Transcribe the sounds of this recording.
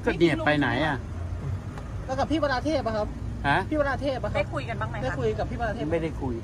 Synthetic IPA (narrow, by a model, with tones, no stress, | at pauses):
kɔː˥˩ni˨˩ə˩pa˧jna̰˩˦ja˧˩˧ | lɛ˦˥˩ka˨˩pʰiː˥˩a˧ɾaː˧t̪ʰeː˥˩t̚ma˦˩kʰa˦˥p̚ha˦˥pʰːiː˥˩ba˧ɾaː˧t̪ʰeː˥˩t̪̚ma˧˥kaa˥˩kʰu˧jka˧nbaː˧˥˩ŋma˧˦da˥˩˧kʰu˧jka˨˩pʰiː˥˩a˧ɾa˧t̪ʰe˧˥˩ma˥˩da˥˩jkʰu˧j